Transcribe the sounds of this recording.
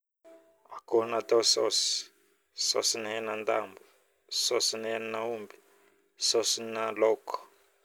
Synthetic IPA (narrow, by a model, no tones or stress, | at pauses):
akonat̪ɔsɔ̰s | sɔ̰sinɦɛnand̪a̰mbu | sɔsinɛnnaumbi̥ | sɔsinalɔkɔ̥